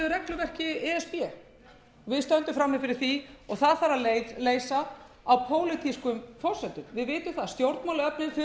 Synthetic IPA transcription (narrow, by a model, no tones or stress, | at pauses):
ʏɾɛklʏvɛr̥cɪɛɛspjɛ | ɔvɪðst̪œnt̪ʏmfɾamːɪfɪɾɪɾ̥θiɔɣθaðfaɾaðlejleːjsaː | wpʰoːwlɪt̪ʰiskʏmfɔr̥sɛt̪ʏmvɪðvɪːt̪ʏmθaðst̪jowɾt̪mawlɪœpnɪnfɪ